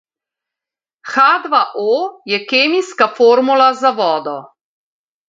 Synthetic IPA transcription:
xaːd̪ʋaʔojɛkeːmiskafoːɾmulazaʋɔːd̪ɔ

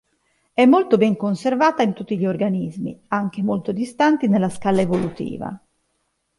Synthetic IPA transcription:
ɛmːolt̪obɛŋkonservaːt̪aint̪ut̪ːiʎiorɡanizmḭaŋk̟emolt̪od̪ist̪ant̪inelːaskalːaevolut̪ḭːva̰

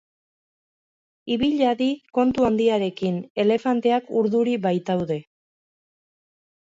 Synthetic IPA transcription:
iβiʎaðiko̞nt̪uand̪iaɾe̞kine̞le̞fant̪e̞akuɾðuɾiβajt̪awðe̞

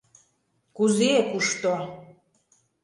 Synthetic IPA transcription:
kuzekuʃt̪o

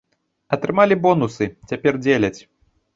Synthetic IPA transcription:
ɐt̪ɾɨmalʲibɔnusɨt͡sʲapʲɛrd͡zʲelʲɐt͡sʲ

